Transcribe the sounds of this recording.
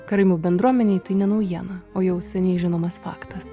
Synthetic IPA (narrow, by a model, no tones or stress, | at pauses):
kɐɾɐɪmʲuːbʲɛnd̪ɾuɔmʲɛnʲɛɪt̪ɐɪnʲɛnɐʊjiɛnɐoːjɛʊsʲɛnʲɛɪʒʲɪnoːmɐsfɑ̰ːkt̪ɐs